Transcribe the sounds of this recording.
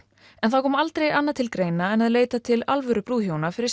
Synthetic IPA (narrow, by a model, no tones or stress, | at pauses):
ɛnθawkʰɔːmaalt̪ɾejanːat̪ʰɪlkɾejnaɛnaðleːjt̪at̪ʰɪla̰lvœɾʏpɾuːðhjownafɪɾɪɾ